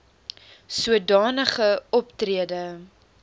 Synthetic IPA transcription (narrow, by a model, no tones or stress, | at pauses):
suədɑːnəχəɔptriədə